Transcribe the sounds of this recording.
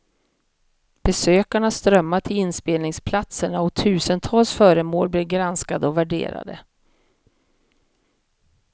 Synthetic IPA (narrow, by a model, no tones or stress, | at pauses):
b̥ɛsøːkaɳast̪ɾœmːaʈʰɪlɪnspeːlnɪŋspʰlat̪səɳaɔt̪ʰʉ̟ːsənt̪ʰɑːlsfœːɾəmoːlblɪːɾɡɾanskad̪əɔvæɖḛːɾa̰d̪ə̰